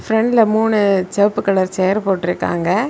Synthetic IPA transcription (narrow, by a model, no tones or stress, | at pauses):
fɾɛɳɖlɐmuːnɯt͡ʃɛpːɯkːɐɭɐɾt͡ʃɛːɐɾpoːʈːɪɾɯkːa̰ːŋɡɐ